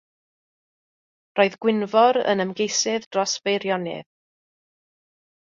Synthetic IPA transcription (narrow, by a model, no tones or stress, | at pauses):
roːɨðɡ̥wɪnvɔɾə̰nəmɡejsɪðdrɔsvejɾjɔnɪ̰ð